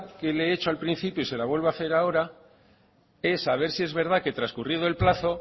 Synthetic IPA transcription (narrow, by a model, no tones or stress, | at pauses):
ke̞leet͡ʃoalpɾin̟θipjoise̞laβwe̞lβaθe̞ɾao̞ɾa | e̞saβ̞e̞ɾsie̞zβe̞ɾð̞ake̞t̪ɾaskurið̞oe̞lplaθo̞